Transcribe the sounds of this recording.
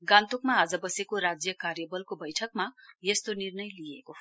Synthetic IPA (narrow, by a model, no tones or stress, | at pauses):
ɡãnt̪ukmaːd͡zʌbʌsekoɾad͡zjʌkarjʌbʌlkobʌjʈʰʌk̚majest̪onirnʌjlijeko